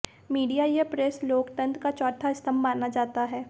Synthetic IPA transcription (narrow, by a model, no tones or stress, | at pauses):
miːɖijajepɾesloːkt̪ə̃nt̪kat͡ʃɔːʈʰaɪst̪ʰəmːaːnad͡ʒaːt̪aɦɛː